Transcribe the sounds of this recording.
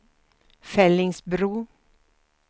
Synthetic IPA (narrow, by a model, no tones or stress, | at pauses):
fɛlɪŋsbɾuː